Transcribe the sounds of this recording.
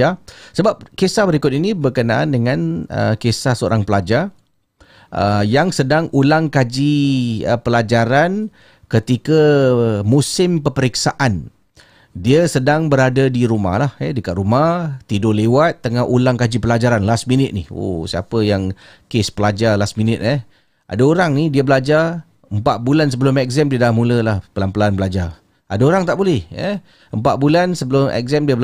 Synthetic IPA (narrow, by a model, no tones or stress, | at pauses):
asəbap̚kesahbəɾikʊt̪̚inĩbərkənaʔandəŋãnə̰kesahsəo̰ɾaŋpəlad͡ʒa | əjaŋsədaŋulaŋkad͡ʒiəpəlad͡ʒaɾan | kət̪ikəmusɪmpəpəɾiksaʔan | diəsədaŋbəɾadadiɾuma̰hlahɛdəkaʔ̪ɾumat̪idolewat̪̚ːəŋaɦulaŋkad͡ʒipəlad͡ʒaɾanlasminɪt̪̚niho̰siapəjaŋ | kespəlad͡ʒalasminɪt̪̚ɛ | ʔa̰daoɾaŋnidiəbəlad͡ʒar | əmpat̪̚bulans̬əbəlʊmɛk̚zɛmdiədahmuləlahpəlampəlaanbəlad͡ʒa | adaoɾaŋt̪aʔbolɛhɛ̰ | əmpaʔ̪̚bulansəbəlʊmɛ̰k̚zamdiəbəl